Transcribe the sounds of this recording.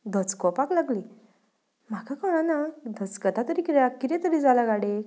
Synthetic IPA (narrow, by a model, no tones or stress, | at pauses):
d̪ʱət͡skɔpaklaɡli | m̤akʰakɔɽ̃anad̪ʱət͡skət̪ʰat̪əɾikiɾakiɾẽt̪əɾid͡zalaɡaɽe